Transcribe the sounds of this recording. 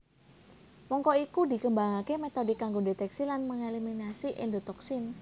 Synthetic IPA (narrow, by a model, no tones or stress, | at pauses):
mɔŋkɔikudikəmbaŋakemet̪ɔdɪkːaŋɡodet̪ɛksilanməŋeliminasiʔɛ̰ndot̪ɔksɪn